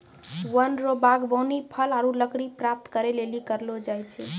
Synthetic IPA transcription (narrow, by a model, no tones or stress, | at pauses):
wənɾobaɡbəwnipʰəlaɾuləkɽipɾap̚t̪kəɾelelikəɾlod͡ʒajt͡ʃʰɛ